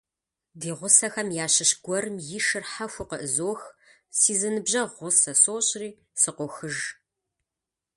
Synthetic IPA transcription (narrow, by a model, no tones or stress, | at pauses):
diːʁʷʊsɐxɐmjaːɕɪɕɡʷɔɾɨmjɪʃɨrħaxʷʊqəʔɨzoːx | siːzɨnɨbʑɐʁʷʊsɐsoːɕʼriː | sɨqʷɔxɨʒ